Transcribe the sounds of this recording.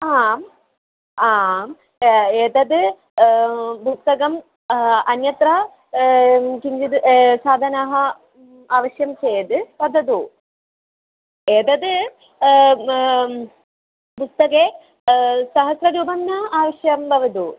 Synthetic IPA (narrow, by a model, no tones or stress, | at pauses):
aːm | aːm | eːd̪ɐd̪ɨ | bust̪ːɐɡɐm | ɐnjɐt̪raː | kiɲd͡ʑid̪ɨsaːd̪ʱɐnaːɦɐ | aːʋɐɕjɐmt͡ɕeːjɐd̪ɨpɐd̪ɐd̪u | eːd̪ɐd̪ɨ | pust̪ɐkeː | sɐɦɐsrɐɾuːbɐnːɐaːʋɐɕjɐmbɐʋɐd̪u